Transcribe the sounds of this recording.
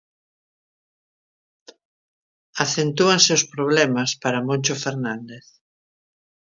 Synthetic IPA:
aθent̪uaŋseʊspɾoβ̞lɛmɐspaɾamonʲt͡ʃofeɾnãnd̪eθ

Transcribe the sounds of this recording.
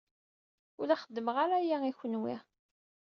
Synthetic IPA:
ʊlæχəd̪ːəmʁaɾæjæiçənwi

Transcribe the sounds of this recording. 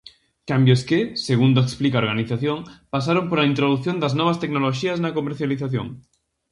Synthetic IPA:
kambjoskeseɣ̞und̪oeksplikaoɾɣaniθaθjoŋpas̬aɾompoɾlaint̪ɾoð̞uθjond̪aznɔβ̞ast̪eknoloʃiaznakomeɾθjaliθaθjo̰ŋ

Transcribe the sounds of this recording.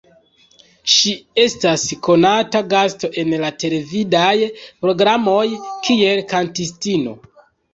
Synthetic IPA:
ʃie̞stasko̞nataɡasto̞ʔe̞nlate̞le̞vidajpɾo̞ɡɾamo̞jkie̞lkantistino̞̰

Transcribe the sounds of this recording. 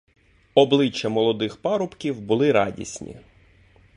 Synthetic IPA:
ɔblˠɪt͡ʃːɐmɔlˠɔd̪ɪxpɑɾʊpkʲiwbʊlˠɪɾɑdʲḭsʲnʲḭ

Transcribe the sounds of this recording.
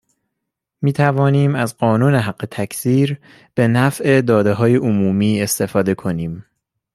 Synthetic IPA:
miːt̪ʰævɒːniːmæzɢɒːnuːne̞ɦæɢːe̞t̪ʰæcʰsiːɾ | b̥e̞næfʔed̪ɒːd̪e̞ɦɒːje̞ʔomuːmiːe̞st̪e̞fɒːd̪e̞kʰo̞niːm

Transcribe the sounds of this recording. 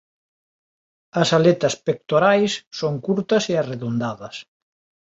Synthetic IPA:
ɐsalet̪ɐspek̚t̪oɾajsːoŋkuɾt̪ɐseareðund̪aðɐs

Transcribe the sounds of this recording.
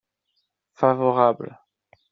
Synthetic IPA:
favɔʁabl

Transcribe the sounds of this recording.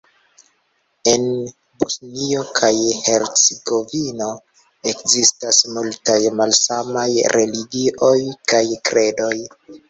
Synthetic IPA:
e̞n | busnio̞kʰajhe̞ɾt͡seɡo̞vino̞ | e̞kzistasmultajmalsamajɾʔe̞liɡiʔo̞jkajkɾe̞do̞j

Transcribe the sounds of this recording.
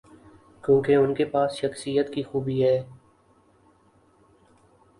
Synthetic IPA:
kjũːkeʊnkepaːsʃəxsijət̪kixuːbiɦɛː

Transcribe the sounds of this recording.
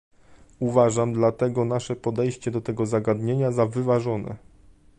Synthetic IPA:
uvaʐamd̪lat̪ɛɡɔnaʂɛpɔd̪ɛjɕt͡ɕɛd̪ɔt̪ɛɡɔzaɡad̪ɲeɲazavɘvaʐɔnɛ̰

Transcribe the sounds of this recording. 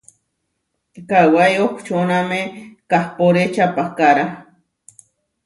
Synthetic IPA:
kawajokʷt͡ʃonamekahpoɾet͡ʃapahkaɾa

